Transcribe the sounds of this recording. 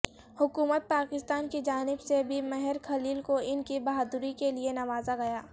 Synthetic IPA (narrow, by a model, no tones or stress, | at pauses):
hʊkuːmət̪̚paːkɪst̪aːnkid͡ʒaːnɪbsebʱimɛɦɛɾkʰɐliːlkoɪnkibɐɦaːd̪ʊɾikelienɐʋaːzaɡɐjaː